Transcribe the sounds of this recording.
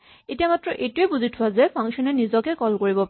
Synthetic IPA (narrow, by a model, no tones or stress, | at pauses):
etijamatɹɔʔejtuebuzitʰʊwazɛpʰɔ̃ŋkʃɔnɛnizɔkɛkɔlkoɹibɔp